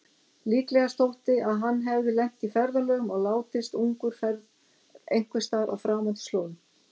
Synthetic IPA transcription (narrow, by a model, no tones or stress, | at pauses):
liːklɛɣast̪owht̪ɪaðɦanːɦɛvðɪlɛm̥t̪ifɛɾðalœːɣʏmɔɣlaːwt̪ɪst̪uŋkʏɾ̥fɛɾ | ḛjŋ̥kvʏst̪aːɾʔa̰wfɾaːmant̪sloːwnʏ